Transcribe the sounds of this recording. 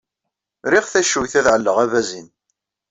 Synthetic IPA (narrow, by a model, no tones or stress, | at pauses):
ɾiʁθæʃujθæðʕəlːəʁævæzin